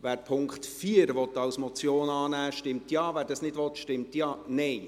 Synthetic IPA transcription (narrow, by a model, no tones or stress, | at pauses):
ʋæːɾpʰʊŋkχtfiːəɾʋɔt̪ːɑwsmɔt͡sjoːnɑːnæːʃtɪmtjɑːvæːɾdɑsnɪdʋɔtʃtɪmtjɑːnɛɪ